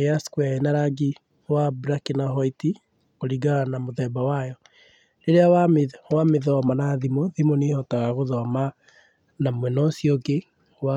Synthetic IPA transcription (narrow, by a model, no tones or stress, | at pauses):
easkwaenaɾaɡi | wabɾakinaɦɔiti | koɾiɡanamoðɛbawajɔ | eɾeawawameðɔmanaðimoðimonehɔtaɣaɣoðɔma | namwɛnɔsiɔɡe | wa